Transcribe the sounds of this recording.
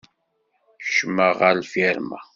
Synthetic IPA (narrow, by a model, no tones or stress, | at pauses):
ʃməʁlfiɾma̰